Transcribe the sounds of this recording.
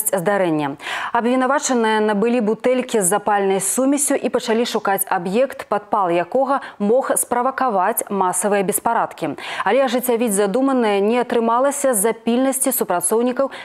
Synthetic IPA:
t͡sʲzd̪aɾɛnʲːɐɐbvʲinavat͡ʂɐnɨjɐnɐbɨlʲibut̪ɛlʲkʲizːapalʲnɐjsumʲisʲuʔipɐt͡ʂalʲiʂukat͡sʲabjɛkt̪pat̪̚palˠjakɔɣɐmɔxspɾɐvɐkavat͡sʲmasɐvɨjɐbʲɛspaɾat̪kʲialʲɛɐʐɨt͡sʲːavʲid͡zʲzad̪umɐnɨjɐnʲɛɐt̪ɾɨmalˠɐsʲɐzapʲilʲnɐsʲt͡sʲisupɾat̪sɔwnʲikɐw

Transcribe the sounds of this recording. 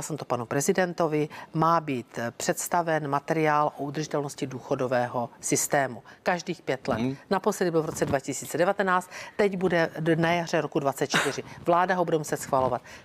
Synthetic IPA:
sɛmt̪opanupɾɛzɪdɛnt̪o̞vɪmaːbiːt̪pr̝̥ɛt̪st̪avɛnmat̪ɛɾɪaːlʔo̞ud̪r̩ʒɪt̪ɛlnoscɪduːxo̞do̞vɛːɦo̞sɪst̪ɛːmukaʒdiːxpjɛt̪lɛ̰t̪naposlɛdɪbovɾo̞t͡sɛdvacɪsiːt͡sɛdɛvat̪ɛnaːt͡st̪t̪ːɛɟbudɛnajar̝ɛɾo̞kudvat͡sɛt̪t͡ʃt̪ɪrɪvlaːdaɦo̞budɛmusɛt̪sxvalo̞vat̪̚

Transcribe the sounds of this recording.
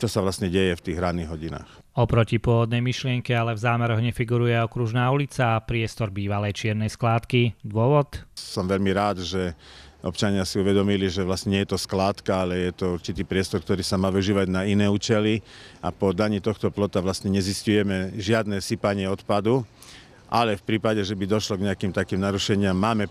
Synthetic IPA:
t͡ʃɔsaʋlast̪ɲɛɟɛjɛft̪iːɣɾad̪nːiɦɔɟina̰ːx | ɔpɾɔcipʊɔʋɔd̪nɛjmiʃlɪɛŋkɛalɛvzaːmɛɾɔɣɲɛfiɡuɾujɛɔkɾuʒnaːulit͡sapɾɪɛst̪ɔɾbiːʋalɛjt͡ʃɪɛɾnɛjsklaːt̪kid̪ʊɔʋɔt̪sɔmʋɛʎmiɾaːd̪ʒɛʔɔ̰pt͡ʃaɲɪasiuʋɛd̪ɔmiliʒɛʋlast̪ɲɛɲɛjɛt̪ɔsklaːt̪kaalɛjɛt̪ɔuɾt͡ʃit̪iːpɾɪɛst̪ɔɾkt̪ɔɾiːsamaːʋiʒiːʋaɟnainɛːuːt͡ʃɛlia̰pɔd̪aɲiːt̪ɔxt̪ɔplɔt̪aʋlast̪ɲɛɲɛziscujɛmɛʒɪad̪nɛːsipaɲɪɛɔt̪pad̪u | ʔa̰lɛfpɾiːpaɟɛʒɛbid̪ɔʃlɔɡɲɛakiːmt̪akiːmnaɾuʃɛɲɪamːaːmɛ

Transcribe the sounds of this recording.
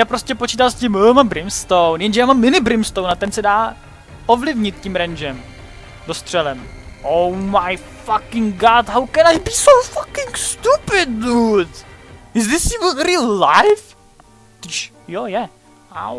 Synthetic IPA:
jaːpɾoscɛpot͡ʃiːt̪alscɪməmambɾɪmst̪ownjɛnʒɛjaːmamːɪnɪbɾɪmst̪ownat̪ɛnsɛdaː | ʔovlɪvɲɪt̪̚cimɾɛnd͡ʒɛm | dost̪r̝̥ɛlɛm | ʔowmaj | fakɪŋɡat̪ɦawkɛnajbiːsowfakɪŋst̪upɪdnutɪzðɪsjuvənɾillajf | t̪iʃ | jojɛ | a̰w

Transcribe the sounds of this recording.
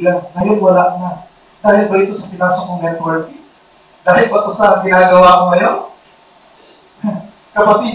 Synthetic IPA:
laŋːɐjonwɐlaʔna | d̪̥aːhɪlbɐʔit̪osɐpɪnaːsokoŋɡɛt̪wɛɹt̪i | d̪̥aːhɪlpɐt̪ʊsaɾɐŋɡɪnaːɡɐwaːkoŋɐjo | kɐpɐt̪i

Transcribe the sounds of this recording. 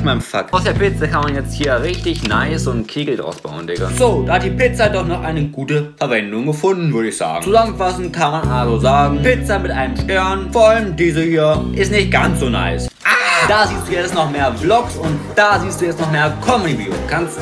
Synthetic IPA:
maɪnəfa̰kaʊsd̥eːɐpɪt͡səkanmanjɛt͡sthiːɐʁɪçtɪçnaɪsʊntkʰeːɡl̩tʔa̰ʊsb̥a̰ʊndɪkə̰z̥oːd̥aːhat̚d̥iːpɪt͡sadɔχnɔχʔaɪnəɡuːtəfɛɐvɛndʊŋɡəfʊndn̩vʏɐəɪçz̥a̰ːɡ̩t͡suzaməfasn̩kʰanmanʔalzozaːɡŋ̩ŋ̩pɪt͡samɪtʔaɪnəmʃtɛɐnfoaləmm̩diːzəhiːɐʔɪstnɪçt̚ɡ̥ansz̥oːna̰ɪsʔad̥aːziːstd̥uːjɛt͡stnɔχmeːɐblɔksʊntd̥aːziːstd̥uːjɛt͡stnɔχmeːɐkʰɔmedivjukʰanst

